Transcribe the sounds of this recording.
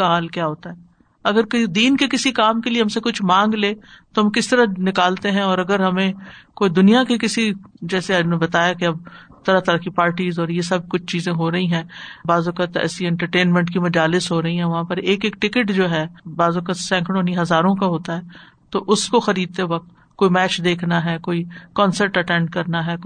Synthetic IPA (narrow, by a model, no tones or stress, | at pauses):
aɦaːlkjaːɦoːt̪aɦɛː | ɐɡəɾkd̪iːnkekɪsikaːmkelieɦɐmsekʊt͡ʃʰmãːŋɡleːt̪oɦɐmkɪst̪ɐɾanɪkaːlt̪eɦɛ̃ɔːɾɐɡəɾɦɐmẽkoːid̪ʊnijakekɪsid͡ʒɛːseanẽbɐt̪aːjakeɐb̚t̪ɐɾat̪ɐɾakipaːɾʈiːzɔːɾjesɐb̚kʊt͡ʃʰt͡ʃiːzẽɦoːɾɐɦiɦɛ̃ːbaːzʊkət̪ɛ̰ːsiɛ̃ɳʈəɾʈeːnmɛ̃ɳʈkimɐd͡ʒaːlɪsɦoːɾɐɦiɦɛ̃ʋɐɦãpɐɾeːkeːk̚ʈɪkəʈd͡ʒoːɦɛːbaːzʊkət̪sɛ̃ːŋkʰɽ̃õːniɦɐzaːɾõkaɦoːt̪aɦɛː | t̪oʔʊskoxɐɾiːd̪̚t̪eʋɐk̚t̪ | koːimɛːt͡ʃd̪eːkʰnaɦɛːkoːikɔ̃ːnsəɾʈɐʈɛ̃ɳɖkɐɾnaɦɛː